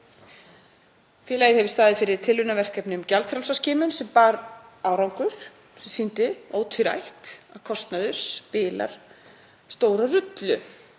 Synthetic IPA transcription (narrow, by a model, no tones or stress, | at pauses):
fjɛːlajɪhɛvɪ̥st̪aːðɪfɪɾɪɾ̥t̪ʰɪlːʏnavɛr̥kɛpnʏmcalt̪fɾalsascɪːmʏnsɛmpaːɾaːwɾawŋkʏɾ̥ | sɛmsint̪ɪoːwt̪ʰʏɾa̰jht̪aðkʰɔst̪naðʏɾ̥spɪːla̰ɾ̥ | st̪oːwɾarʏt̪lʏ